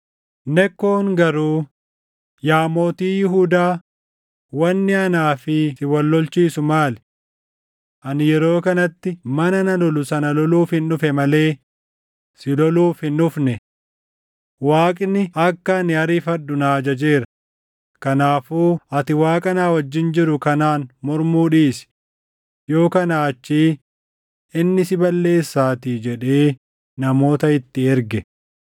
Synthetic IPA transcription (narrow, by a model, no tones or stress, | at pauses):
nɛkːoːŋɡɐɾuː | jaːmo̞ːt̪iːjɪɦuːd̪aː | wɐnːɪɐnaːfɪsɪwɐlːɔlt͡ʃiːsʊmaːlɛ | ʔɐnɪjɛɾo̞ːkɐnɐt̪ːɪmɐnɐnɐlɔlʊsɐnɐlɔluːfhɪnːʊfɛmɐle̞ː | sɪlɔluːfhɪnːʊfnɛ | waːkʼɪnːɪʔɐkːɐnɪɐɾiːfɐɗːʊnaːd͡ʒɐd͡ʒeːɾɐ | kɐnaːfuːʔɐt̪ɪwaːkʼɐnaːwɐd͡ʒːɪnd͡ʒɪɾʊkɐnaːnmɔɾmuːᶑiːsɪ̥ | jo̞ːkɐnɐːt͡ʃːiː | ɪnːɪsɪbɐlːe̞ːsːaːt̪iːd͡ʒɛᶑe̞ː | nɐmo̞ːt̪ɐɪt̪ːɪɛɾɡɛ